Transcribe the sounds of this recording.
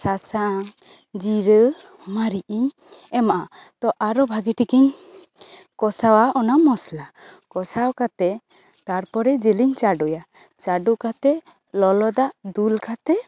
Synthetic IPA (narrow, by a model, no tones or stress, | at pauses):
sasaŋ | d͡ʒiɾə | maɾiʔiɲ | ɛmaʔa | t̪ɔʔaɾɔbʱaɡiʈikiɲ | kɔsawaʔɔnamɔsla | kɔsawkat̪ɛ | t̪aɾpɔɾɛd͡ʒiliɲt͡ʃaɖɔja | t͡ʃaɖukat̪ɛ | lɔlɔd̪aʔd̪ulkat̪ɛ